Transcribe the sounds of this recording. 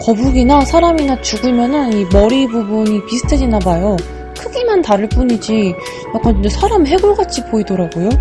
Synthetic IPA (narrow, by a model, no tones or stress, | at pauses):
kʌbuɡinasʰaɾaminat͡ɕuɡɯmjʌnɯnimʌɾibubuɲipisʰɯ̥tʰed͡ʑinabajo | kʰɯɡimantaɾɯɭp͈uɲid͡ʑi | jak͈andesʰaɾamɦe̞ɡuɭɡat͡ɕʰipoidoɾaɡojo